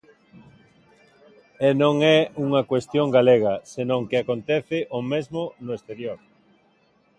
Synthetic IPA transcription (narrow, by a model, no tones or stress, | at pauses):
ɛnõŋɛuŋɐkwest̪jõŋɡaleɣɐsenõŋkɪakont̪ɛθɪʔomezmʊnʊest̪eɾjoɾ